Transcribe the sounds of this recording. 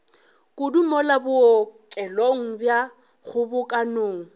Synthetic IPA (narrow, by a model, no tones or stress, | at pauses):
kʼʊdumɔlabʊkʼɛloŋ̩bja | ɣʊbʊkʼanoːŋ̩